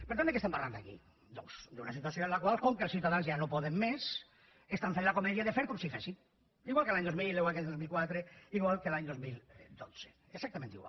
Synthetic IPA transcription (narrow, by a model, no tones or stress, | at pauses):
peɾt̪ond̪ekest̪empaɾland̪akḭ | d̪osd̪unasit̪uasjoẽnlakwalkoŋkelsθjuwt̪aðanzjanopoðemːes | est̪aɱfenlakomeðjaðefeɾkomsifesin | iɣwalkelaɲd̪omillewak̬ed̪ozmilkwat̪ɾeiɣwalkelaɲd̪ozmild̪ose̥ | eksakt̪amẽnt̪ḭɣwa̰